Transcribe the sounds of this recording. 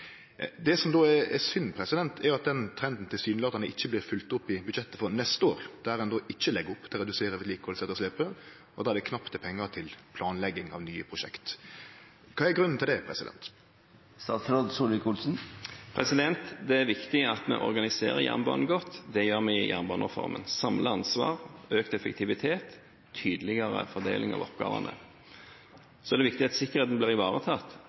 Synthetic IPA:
d̪ɛsɔmd̪oːɛɾɛsʏnːpʰɾɛsɪd̪ɛnt̪ʰɛɾjʊɑt̪̚d̪ɛnt̪ʰɾɛnd̪n̩t̪ɪlsyːnlɑːd̪ɑnəʔɪçːəblɪfʉlt̪ʊpːɪbʉd̪ʃɛt̪ːəfɔɾnɛst̪əoːɾd̪̥æɾɛnd̪oːʔɪçːəlɛɡʊpːt̪ʰɪlɾɛd̪ʉseːɾəʋɛt̪liːkəʋɔlsɛt̪ːɔslɛpə | ɔd̪ɑːæd̪ɛkʰnɑpt̪ʰɛpʰɛŋːət̪ʰɪlpʰlɑːnlɛɡːɪŋɑ̰ʋnyːəpʰɾʊʃɛkt̪ | kʰɑːɛɡɾʉnːn̩t̪ʰɪld̪ɛpʰɾɛ̰sɪd̪ɛ̰nt̪ | sɑt̪ɾɔd̪suːlɪkʰʊlsn̩pʰɾɛsɪd̪ɛnt̪d̪ɛæɾʋɪkt̪ɪɑt̪mɛ̰ʔɔɾɡɑnɪsḛːʁəjæ̰ʁnbɑ̰ːn̩ɡɔt̪ːd̪ɛjøːʁmɛɪjæ̰ʁnbɑːnəəfɔ̰ɾmə̰nsɑmləɑnsʋɑ̰ːʁøːkt̪ɛfəkt̪ʰɪʋɪt̪ʰeːt̪ʰ | yːd̪lɪɡɑʁə̰fɔd̪ḛːlɪŋɑ̰ʋɔpɡɑ̰ːʋɑ̰nə̰ | sɔɛd̪ɛʋɪkt̪ɪɑt̪sɪkːəʁeːt̪̚d̪ɛnb̪ɪːʁɪʋɑːʁət̪ʰɑt̪

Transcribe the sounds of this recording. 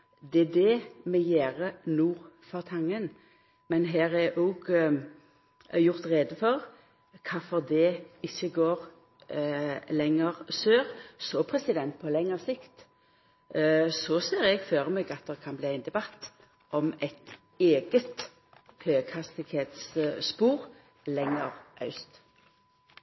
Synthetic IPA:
d̪ɛd̪ɛmɛjeːʁənuːʁfɔʁt̪ʰɑŋːən | mɛnɦæːʁɛʔuɡ | jʊʁt̪ʁeːd̪əfɔʁ | kʰɑfɔʁd̪ɛɪçːəɡoːʁ | lɛŋːəʁsøːʁsɔpʰʁɛsɪd̪ɛnt̪̚pʰɔlɛŋːəʁsɪkt̪ | sɔseːɾɛɡføːʁəmeːɡɑt̪̚d̪ɛkʰɑnbliːæɪnd̪ɛbɑt̪ː | ʔɔmɛt̪ | eːɡət̪ | høːɡhɑst̪ɪɡheːt̪sspuːʁ | lɛŋːəʁʔɑ̰ʉst̪

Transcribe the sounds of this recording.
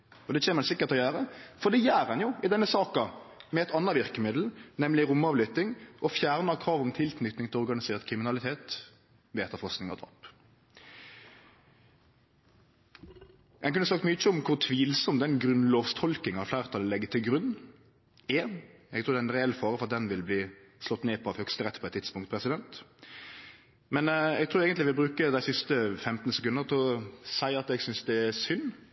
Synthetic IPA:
ɔd̪ɛt͡ʃʰeːməɾɛnsɪkːəʁt̪ʰːɔjæːɾəfɔd̪ɛjæːɾɛnjʊɪd̪ɛnːəsɑːkɑmɛɛt̪ɑnːɑʋɪɾkəmɪd̪l̩nɛmlɪɾʊmːɑːʋlʏt̪ɪŋʔɔfjæːʁnɑkʰʁɑːʋɔmt̪ʰɪlk̪nʏt̪nɪŋt̪ʰɪlɔɾɡɑnɪseːʁt̪kʰɾɪmɪnɑlɪt̪ʰeːt̪ | ʋɛːɛt̪ːəfɔsknɪŋɑ̰d̪ɑ̰ːp | ɛɡkʉnəsɑk̚t̪myːəɪçəɔmkʰʊɾt̪ʰʋiːlsɔmt̪̚d̪ɛnɡɾʉnloːʋst̪ʰɔlkɪŋɑflæːʁt̪ʰɑlːəɛɡːət̪ʰɪlɡɾʉnː | ɛ | ɛ̰ɡt̪ɾuːɾd̪ɛæɛnɾɛɛlːfɑːɾəfɔʁɑt̪d̪ɛnʋɪlbliː | slɔt̪ːneːpʰɔɑʋhœkst̪əɾɛt̪ːpʰɔɛt̪t̪ʰːɪt̪spʊŋkt̪̚pʰɾɛsɪd̪ɛnt̪ | mɛnɛɡt̪ʰɾuːɾeːɡənlɪʋɪlbɾʉːkəd̪æɪsɪst̪əfɛmt̪nsɛkʉnəɾt̪ʰɪɔsæɪɑt̪ɛɡsʏnsd̪ɛæsʏnː

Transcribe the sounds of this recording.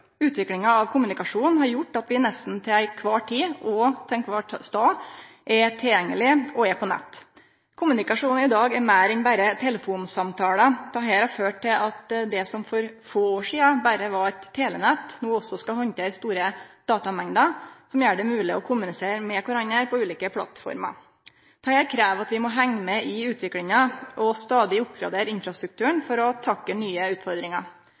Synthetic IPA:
ʉːt̪ʋɪklɪŋɑɑʋkʰʊmːʉnɪkɑʂuːnn̩hɑɾjʊʈːɑt̪bɪnɛst̪n̩t̪ʰɪlæɪkʰʋɑːʈʰiːɔt̪ʰɛnkʰʋɑːʈst̪ɑːʔɛt̪ʰɪljɛŋːəlɪɔɛpʰɔnɛ̰t̪ː | kʰʊmːʉnɪkɑʂuːn̩ɪd̪ɑːɡɛɾmæːɾɛnbæɾət̪ʰɛləfuːnsɑmt̪ʰɑːləd̪ʰɑɦɛːɾhɑɾføːʈʰːɪlɑt̪d̪ɛsɔmfɔɾfoːoːʂiːɑbæɾəʋɑɾɛt̪ʰːeːlənɛt̪ːnuːɔsːɔskɑhɔnt̪əɾst̪uːɾəd̪̥ɑːt̪ɑmɛŋd̪əsɔmjøːɖɛmʉːlɪɔkʰʊmːʉnɪseːɾmɛkʰʊɾɑnəɾpʰɔʉːliːkəpʰlɑ̰t̪fɔ̰ɾmɑ̰ | t̪ʰɑheːɾkʰɾæːʋɑt̪ʋɪmɔɦɛŋːəmɛɪʉːt̪ʋɪklɪŋəʔɔst̪ɑːd̪ɪʊpɡɾɑ̰d̪eːɾɪnfɾɑst̪ɾʉk̚t̪ʰʉːəɳfɔɾɔt̪ʰɑkːənyːəʉːt̪fɔɾd̪ɾɪŋɑ̰

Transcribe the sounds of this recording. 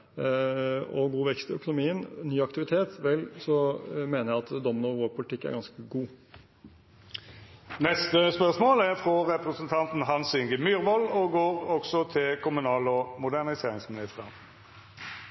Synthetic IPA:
ɔɡuːʋɛkst̪œ̰kʊnʊmiːənnyːɑkt̪ɪʋɪt̪ʰeːt̪ʋɛlsɔmeːnəjæɑt̪d̪ɔmənəɔʋoːpʰʊlɪt̪ʰɪkːæ̰ɾɡɑnskəɡuː | nɛst̪əspœʁʂmoːlæʁfʁɔʁɛpɾʁəsənt̪ʰɑnt̪n̩ɦɑnsʏŋɡəmyːɾʋɔlɔɡoːɾɔksɔt̪ʰɪlkʰʊmʉnɑːlɔmʊd̪æʁnɪseːʁɪŋsmɪnɪst̪əʁ

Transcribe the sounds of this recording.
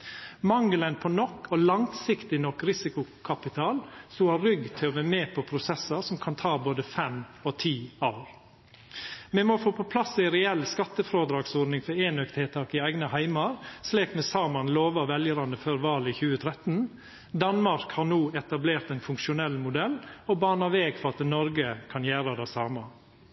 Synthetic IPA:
mɑŋːlənpʰɔnɔkːɔlɑŋsɪkt̪ɪnɔkːɾɪsɪkʊkʰɑpɪt̪ʰɑːlsuɑɾʏɡt̪ʰɪɔʋæmeːpʰɔpʰɾʊsɛsəɾsɔmkʰɑnt̪ʰɑːboːd̪əfɛmɔt̪ʰiːɑʊɾ | mɛmofoːpʰɔpʰlɑsːɪɪɾɛɛlːskɑt̪ːəfɾoːd̪ɾɑːɡsoːɾnɪŋfɔɾeːnœkt̪hɛːt̪ʰɑkɪæɪɡnəhæɪmɑɾsliːkmɛsɑːmɑnloːʋəʋɛljəɾɑnd̪əføːɾʋɑːlɪçʉːət̪ʰɾɛt̪n̩ | d̪ɑnmɑɾkhɑɾnuːɛt̪ɑbleːɾt̪æɪnfʉŋkʃʊnɛlːmʊd̪ɛlːɔbɑːnɑʋeːɡfɔɾɑt̪nɔɾɡəkʰɑnjæːɾəd̪æɪsɑːmɑ

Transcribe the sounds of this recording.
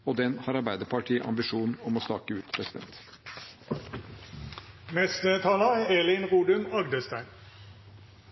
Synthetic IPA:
oːd̪ɛnhɑːɾɑɾbæɪd̪əɾpʰɑʈʰiːʔɑ̰mbɪʂuːnɔmoːst̪ɑːkəʉːt̪pʰɾɛsɪd̪ɛ̰nt̪ | nɛst̪ət̪ʰɑːlɑæːelɪnʁuːd̪ʉmɑɡd̪əst̪æɪn

